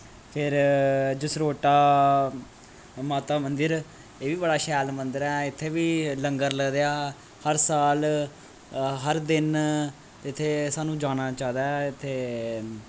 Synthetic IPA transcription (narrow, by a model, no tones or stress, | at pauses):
pʰɪɾd͡ʒɪsɾoːʈaː | maːt̪aːmənd̪əɾ | eːʋiːbəɽaːʃɛːlmənd̪əɾɛːɪt̪ʰːeːʋiːləŋɡəɾləɡd̪ejaː | həɾsaːl | ɦəɾd̪ɪn | ɪt̪ʰːeːsaːnũːd͡ʒaːnaːt͡ʃaːd̪aːt̪ʰːeː